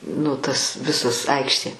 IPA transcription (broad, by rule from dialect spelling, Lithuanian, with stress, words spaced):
nʊ tɐs ˈʋʲɪsɐs ˈɐɪkʃʲtʲeː